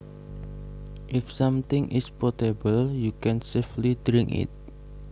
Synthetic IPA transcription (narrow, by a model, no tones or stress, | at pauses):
ʔɪfsãmt̪ɪŋʔɪ̰spɔtebəljukɛ̃nseflidɾɪ̃ŋɪ̰t̪̚